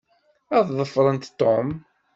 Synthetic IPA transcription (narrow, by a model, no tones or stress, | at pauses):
ɑððˤəfːɾˤənt̪t̪ːom